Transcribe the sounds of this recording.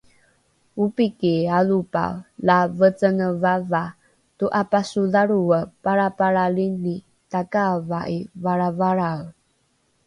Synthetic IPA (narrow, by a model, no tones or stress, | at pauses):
upikialupa̰lavət͡sənəvava | tuʔapasuðaɾuəpaɾapaɾalini | takavaʔivaɾavaɾaw